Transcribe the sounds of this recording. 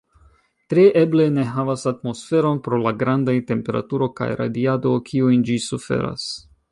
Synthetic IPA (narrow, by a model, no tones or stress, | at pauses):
tɾeʔeble̞ne̞ɦavasatmo̞sfe̞ɾo̞npɾo̞laɡɾandajte̞mpe̞ɾa̰tuɾo̞ka̰jɾa̰diado̞kʰiujnd͡ʒisufe̞̰ɾa̰s